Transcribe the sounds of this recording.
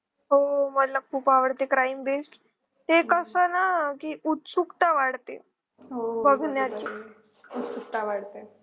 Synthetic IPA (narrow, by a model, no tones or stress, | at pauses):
ɦoməd̪lakʰuːpaʋəɽt̪ekɾaimbesʈ | t̪ekəsənakiːut̪sukt̪aʋaɽt̪ḛ | ɦobəɡʱnjat͡ɕi | ut̪suk̚t̪aʋaɽt̪e